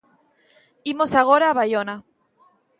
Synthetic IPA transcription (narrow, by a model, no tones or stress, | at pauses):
imo̞saɣ̞o̞ɾaːβajona